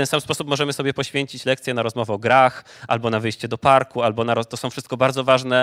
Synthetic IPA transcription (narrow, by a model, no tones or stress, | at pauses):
t̪ɛnsamspɔsupmɔʐɛmɘsɔbʲjɛpɔɕfʲjeɲt͡ɕit͡ɕlɛk̚t̪sʲjɛnaɾɔzmɔvɛɔɡɾax | a̰lbɔnavɘjɕt͡ɕɛd̪ɔpaɾkualbɔnaɾɔt̪ɔsɔ̃wfʂɘst̪̚kɔbaɾd̪zɔvaʐnɛ